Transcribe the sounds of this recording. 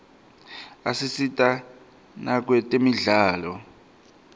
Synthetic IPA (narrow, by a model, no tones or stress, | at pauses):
asisitʼa | nak̬wɛtʼemiɮaːlɔ